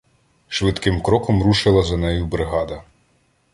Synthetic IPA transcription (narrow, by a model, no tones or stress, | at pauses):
ʃʋɪt̪kɪmkɾɔkɔmɾuʃɪlˠɐzɐnɛjubɾɪɦɑd̪ɐ